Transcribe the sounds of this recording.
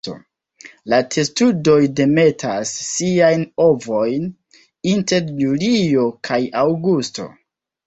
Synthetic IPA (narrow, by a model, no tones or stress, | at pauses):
o̰ | latʰe̞studo̞jde̞me̞tʰa̰sːiajno̞vo̞jn | inte̞ɾjulio̞kʰajawɡusto̞̰